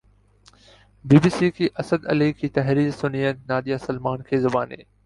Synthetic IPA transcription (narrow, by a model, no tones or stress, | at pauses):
biːbiːsiːkʰiːʔɐsəd̪ɐ̰likʰiːt̪ɐɦɾiːɾsʊnijənnaːd̪ijaːsɐlmaːnkʰeːzʊbaːnḛː